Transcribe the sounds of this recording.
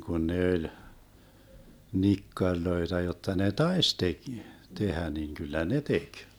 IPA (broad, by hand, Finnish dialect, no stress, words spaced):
kun ne ølʲ nikːɑrʲloetɑ jotːɑ ne tɑes tek tehæ niŋ kylːæ ne tek